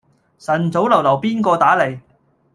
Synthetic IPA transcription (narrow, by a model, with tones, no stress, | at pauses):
sɐ˨˩nt͡so˨˥wlɐ˨˩wlɐ˨˩wpiː˥nkɔː˧t̪aː˨˥le˨˩j